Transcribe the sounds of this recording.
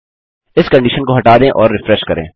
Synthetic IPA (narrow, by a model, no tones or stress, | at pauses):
ɪskɐ̃ɳɖiːʃənkoɦɐʈaːd̪ẽʔɔːɾːɪfɾɛʃkɐɾḛ̃ː